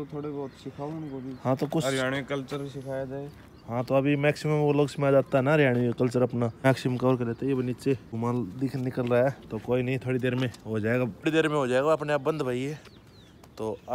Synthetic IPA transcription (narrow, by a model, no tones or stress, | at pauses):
ot̪ʰoːɽebɔːt̪sɪkʰaũnkobihãːt̪okʊt͡ʃɾjaːɽekɐlt͡ʃəɾsɪkʰaːjad͡ʒaː | hãt̪oɐbʱimɛːksɪməmːẽʋoloːɡsɪkʰajad͡ʒaːt̪aɦɛnaɾjaːɽ̃ikɐlt͡ʃəɾɐpnamɛːksɪməmkaɔːɾkeleːt̪ajebɐnit͡ʃeɡʊmãld̪ɪkʰnɪkəlɾaɛt̪okoːinɐɦĩt̪ʰoːɽid̪eːɾmẽɦod͡ʒaːeɡaɽid̪eːɾmẽɦod͡ʒaːeːɡaɐpneaːp̚bɐ̃nd̪bʱaːie | t̪oːɐ